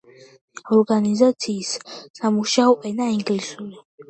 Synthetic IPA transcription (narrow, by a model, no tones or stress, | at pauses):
ɔɾɡanizat̪sʰiːsːamuʃaɔʔʼɛnaiŋɡlisuli